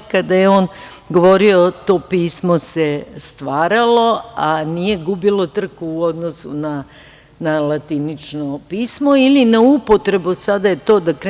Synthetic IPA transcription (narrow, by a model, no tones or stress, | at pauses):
kad̪ajeo̞ːn | ɡo̞ʋo̞ɾio̞t̪o̞ːpiːsmo̞sest̪ʋaːɾalo̞anije̞ɡubilo̞t̪r̩kuuo̞d̪nosṵna | nalat̪init͡ʃnopiːsmo̞ilinaupo̞t̪ɾe̞busad̪ajet̪o̞ːd̪akɾe